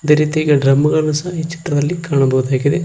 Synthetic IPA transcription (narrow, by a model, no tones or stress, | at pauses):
ɐd̪eːɾiːt̪iiːɡɐɖɾɐmːɐɡɐɭɐnusɐiːt͡ʃi̥t̪ɾɐd̪ɐlːikaːɳɐbɐɣud̪aːɡid̪e